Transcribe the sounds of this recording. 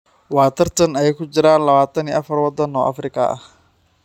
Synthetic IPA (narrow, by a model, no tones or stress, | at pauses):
waːt̪ʰɐrt̪ʰɐnɐjɛjkʰʊd͡ʒɪɾaːnlɐβaːt̪ʰɐniːʔɐfɐrwɑd̪ɐnɔːʔɐ̰frɪkʰɐɐ̰h